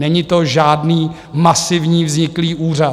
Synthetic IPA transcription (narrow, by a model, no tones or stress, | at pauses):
ɛɲɪt̪oʒaːdniː | masɪvɲiːvzɲɪkliːʔuːra